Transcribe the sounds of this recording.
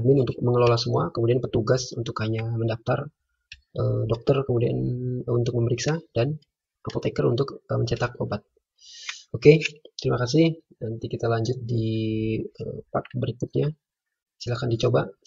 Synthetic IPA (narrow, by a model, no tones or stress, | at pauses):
mɪnunt̪ʊk̚məŋəlolahsəmuakəmudianpərt̪uɡasṵnt̪ʊkhaɲaməndaft̪ar | ʔədɔk̚t̪ərkəmudia̰nunt̪ʊk̚məməɾiksadan | əpot̪ekəɾunt̪ʊkəməɲt͡ʃɛt̪ak̚obat̪̚ | oket̪ɾimakas̬ɪhnant̪ikit̪alaɲd͡ʒʊt̪̚di | əpa̰k̚bəɾikʊt̪̚ɲa | i̥silakandit͡ʃoba